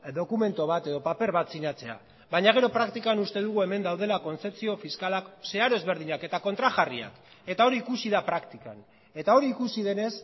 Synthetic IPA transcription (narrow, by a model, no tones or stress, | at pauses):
d̪o̞kume̞nt̪o̞βat̪e̞ð̞o̞pape̞ɾβat͡sinat͡se̞a̰ | βajɲaɣ̞e̞ɾo̞pɾakt̪ikanust̪e̞ðuɣ̞ue̞me̞nd̪awð̞e̞lako̞nt͡se̞pt͡sio̞fiskalakse̞aɾo̞e̞zβe̞ɾð̞iɲake̞t̪ako̞nt̪ɾaʝaria̰k | e̞t̪ao̞ɾiːkusið̞apɾakt̪ikan | e̞t̪ao̞ɾiːkusiðe̞ne̞s